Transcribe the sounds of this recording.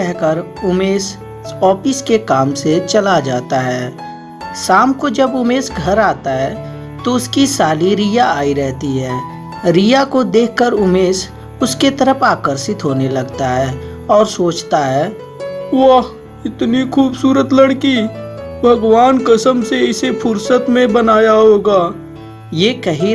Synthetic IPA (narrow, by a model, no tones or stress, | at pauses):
ɛɦkəɾ | ʊmeːs | ɔːpɪskekaːmset͡ʃɐlad͡ʒaːt̪aɦɛː | saːmkod͡ʒɐbʊmeːsɡʱɐɾaːt̪aɦɛː | t̪oʊskisaːliɾijaaːiɾɛɦt̪iɦɛː | ɾijakod̪eːkʰkəɾʊmeːs | ʊsket̪əɾəpʰaːkəɾsɪt̪ɦoːnelɐɡt̪aɦɛː | ɔːɾsoːt͡ʃt̪aɦɛː | ʋaɦ | ɪt̪nikʰuːbsuːɾət̪ləɽkibʱɐɡʋaːnkəsəmseɪsepʰʊɾsət̪mẽbənaːjaɦoːɡaː | jeːkɐɦi